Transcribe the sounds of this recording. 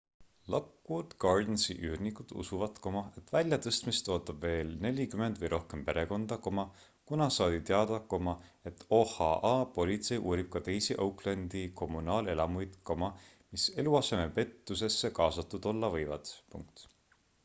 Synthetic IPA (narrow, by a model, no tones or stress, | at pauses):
lɑkːud̪̥ɡ̥ɑrd̪nsiʔyːrnikud̪̥ṵsuvɑt̪ko̞mɑe̞t̪ːvælʲjɑt̪ɤst̪mist̪o̞ːt̪ːˑɑb̥ve̞ːlne̞lʲikyme̞nd̪vɤjɾo̞hke̞mpe̞ɾe̞ko̞nd̪̥ɑko̞mɑ | kunɑsɑːt̪it̪eɑd̪̥ɑko̞mɑe̞t̪ːo̞hɑ̰ʔɑːpo̞lʲit̪se̞jʔuːɾib̥̚kɑt̪e̞jsiʔɤwklend̪iko̞mːunɑːle̞lɑmujd̪̥ko̞mɑ | mise̞luɑse̞me̞pe̞t̪ːuse̞sːe̞kɑːsɑt̪ːˑud̪̥o̞lːɑvɤjvɑ̰d̪̥pṵŋk̚t̪